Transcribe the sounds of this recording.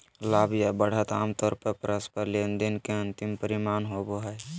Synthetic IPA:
laːbjabəɽ̤ət̪aːmt̪ɔɾpəɾpɾəspəɾlend̪inkeə̃nt̪impəɾimaːnɦoboɦɛj

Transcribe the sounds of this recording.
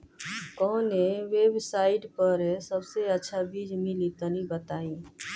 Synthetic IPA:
kɔːnẽʋeːbsaːɪʈpəɾɦsəbseətːʃʰabʱiːd͡ʒmɪlit̪ənibət̪aːĩː

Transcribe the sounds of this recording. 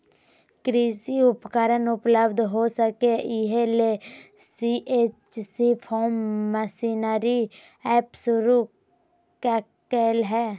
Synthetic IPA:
kɾiːsiʊpkəɾənʊpləbd̪ʱɦosəkeiɦelesiʔeːt͡ʃsipʰɔːmːəsinaɾi | ɛːpsʊɾu | ka | keːlɦɛː

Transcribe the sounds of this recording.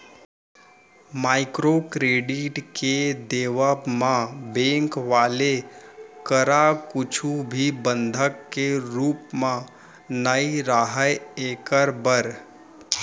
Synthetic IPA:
maːɪkɾokɾeːɖɪʈked̪eːʋəmãbẽŋkʋaːlekəɾakʊt͡ʃʰubʱibə̃nd̪ʱəkːeɾuːpmã | naiɾaɦəeːkəɾbəɾ

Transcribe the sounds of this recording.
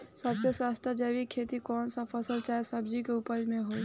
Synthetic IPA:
səbsesaːst̪ʰad͡ʒəʋikʰeːt̪ikɔːnsapʰəsəlt͡ʃaːsəbd͡ʒikeʊpəɾmẽɦoː

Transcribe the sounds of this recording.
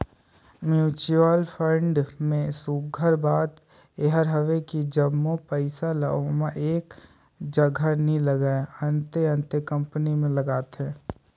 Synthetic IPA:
mjuːt͡ʃuaːlpʰə̃ɳɖmẽsuɡʱəɾbaːt̪ | eɦəɾɦəʋekid͡ʒəmːopəɪsaləmaʔeːk | d͡ʒəɡʱanĩləɡaːeə̃nt̪eə̃nt̪ekə̃mpənimẽləɡaːt̪ɦɛ̃ː

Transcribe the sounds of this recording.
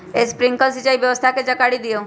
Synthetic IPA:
espɾiŋkəlsit͡ʃaibjəʋəst̪ʰaked͡ʒəkaɽid̪ijo

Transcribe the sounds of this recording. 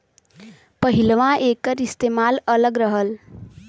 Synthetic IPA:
pəɦilʋãʔekəɾist̪emalələɡɾəɦəl

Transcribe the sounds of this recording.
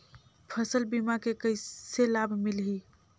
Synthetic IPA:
pʰəsəlbimakekəɪselabʱmilɦi

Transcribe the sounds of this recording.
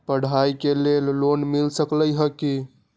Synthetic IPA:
pəɽ̤aikelellonmilsəkləjɦəki

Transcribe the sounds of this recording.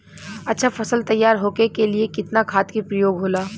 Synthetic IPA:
ɐtːʃʰafɐsəlt̪ɐjːaːɾɦoːkekeliekɪt̪nakʰaːt̪kipɾɐjoːɡɦoːlaː

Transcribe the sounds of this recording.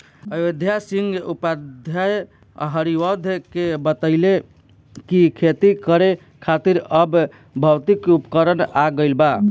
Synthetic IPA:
əjod̪ʱjasiŋɡupad̪ʱjaj̰ | ɦəɾiʋəd̪ʱkebət̪əɪle | kikʰet̪ikəɾe | kʰat̪iɾəb | bʱəwt̪ikupkəɾənaɡəɪlba

